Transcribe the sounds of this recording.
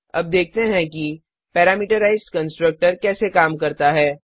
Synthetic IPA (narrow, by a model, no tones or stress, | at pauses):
ɐ̰b̚d̪eːk̚ʰt̪eɦɛ̃ki | pɛːɾaːmiːʈəɾaːɪzkɐ̃nsʈɾək̚ʈəɾkɛːsekaːmkɐɾt̪aɦɛː